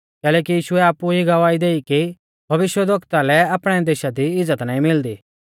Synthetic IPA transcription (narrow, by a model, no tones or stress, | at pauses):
kɛːlɛːkijiːʃʊɛaːpuɦiɡɐʋaːid̪eːiki | bʱɐʋɪʃʋɛd̪ʱɐkt̪alɛaːpɽ̃ɛd̪eːʃad̪iɪd͡zːət̪naːĩmɪld̪iː